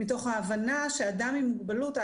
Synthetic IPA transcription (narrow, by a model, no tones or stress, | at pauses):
ito̞χhaːvanaʃeaːdamimuɡ̚baluta